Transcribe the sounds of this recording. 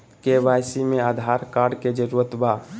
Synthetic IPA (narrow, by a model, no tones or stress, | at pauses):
kebajsimead̪ʱaɾkaɾɖked͡ʒəɾuɾət̪ba